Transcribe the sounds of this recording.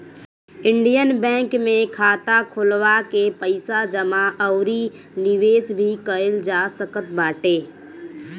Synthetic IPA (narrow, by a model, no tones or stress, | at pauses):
ɪ̃ɳɖijənbɛ̃ːŋkmẽkʰaːt̪akʰʊlʋakepəɪsad͡ʒəmaʔəʊɾi | nɪʋeːsbʱikəəld͡ʒaːsəkət̪̚baːʈeː